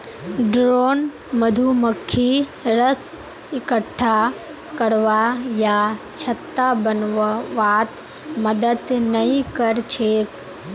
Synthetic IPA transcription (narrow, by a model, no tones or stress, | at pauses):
ɖɾoːn | məd̪ʱuməkʰːiɾəs | ɪkəʈʰːa | kəɽʋajat͡ʃʰɐt̪ːabənʋʋaːt̪ | məd̪əd̪nəĩkəɾt͡ʃʰeːk